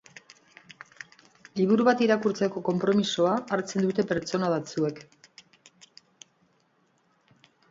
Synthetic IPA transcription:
liβ̞uɾuβat̪iɾakuɾt͡se̞ko̞ko̞mpɾo̞miso̞aːɾt͡se̞nd̪ut̪e̞pe̞ɾt͡ʃo̞naðat͡sue̞k

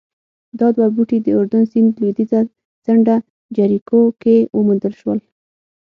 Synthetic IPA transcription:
d̪ɑd̪wabuʈid̪əʊɾd̪ʊnsɪnd̪lud̪iza | t͡saɳɖa | d͡ʒaɾikokewʔəmund̪əlʃwəl

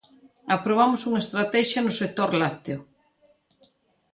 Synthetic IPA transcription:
apɾoβ̞amʊsuŋɐest̪ɾat̪ɛʃjɐnʊsek̚t̪oɾlat̪eʊ

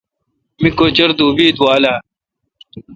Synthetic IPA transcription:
mikoːt͡ɕɐɾd̪uːbiːd̪uwaːlaː

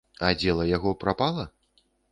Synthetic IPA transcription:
ad͡zʲɛlˠɐjaɣɔpɾapalˠɐ

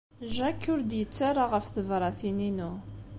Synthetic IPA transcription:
ʒækːʊɾd̪jət͡sːaɾˤaʁəfθəvɾˤɑθininu

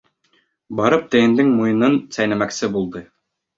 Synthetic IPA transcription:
bɑɾɤp̚t̪ɘ̆jɘ̆nd̪ɘŋmujɤ̆nɤnsæjnæmæksɘbulˠd̪ɤ

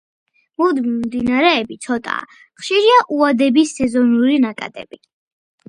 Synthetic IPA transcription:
mud̪mimd̪inaɾɛːbit̪sʰɔt̪ʼa̰ | χʃiɾiaʔuad̪ɛbisːɛzɔnuɾinakʼa̰t̪ʼɛ̰b̥i

